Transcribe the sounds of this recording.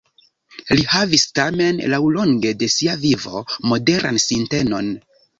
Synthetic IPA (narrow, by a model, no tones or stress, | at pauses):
lihavistame̞nlawlo̞ŋɡe̞de̞siavivo̞̰mo̞de̞ɾʔa̰nsinte̞no̞n